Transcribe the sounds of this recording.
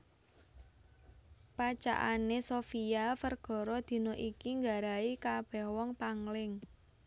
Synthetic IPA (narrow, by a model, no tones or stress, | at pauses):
pat͡ʃa̰ʔanesofiafərɡ̥ɔ̤ɾɔd̪̥i̤noʔikiŋɡaɾaikab̥ɛhwɔŋpaŋlɪŋ